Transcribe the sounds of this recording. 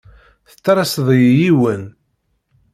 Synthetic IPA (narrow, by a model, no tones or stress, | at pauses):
θə̥t͡sːɾˤɑsðˤjjiwən